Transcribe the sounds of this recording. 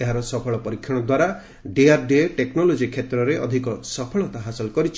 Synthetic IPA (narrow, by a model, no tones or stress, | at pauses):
eɦaɾɔsɔpʰɔɭɔpɔɾikʰːjɔɽ̃ɔd̪waɾa | ɖeaɾɖeʈeknɔlod͡ʒikʰːet̪ɾɔɾeʔɔ̰d̪ʱikɔsɔpʰɔɭɔt̪aɦasɔlɔkɔɾit͡ʃʰ